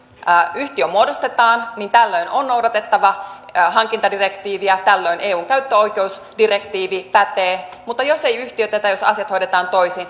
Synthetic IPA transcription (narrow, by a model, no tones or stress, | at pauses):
yht̪iømːuodost̪et̪ɑːnnint̪ælːøinʔonno̞wdɑt̪e̞t̪ːɑʋɑɦɑŋkint̪ɑdirekt̪iːʋiɑt̪ælːøinʔeːuːŋkæyt̪ːøojkeus | dire̞kt̪iːʋipæt̪eːmut̪ːɑjo̞sejyht̪iøt̪æt̪æjo̞sɑ̰siɑt̪hojdet̪ɑːnt̪o̞ijsin